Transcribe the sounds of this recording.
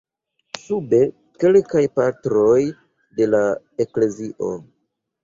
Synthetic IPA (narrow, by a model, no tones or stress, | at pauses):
sube̞ | ke̞lkajpatɾo̞j | de̞la | e̞kle̞ziʔo̞̰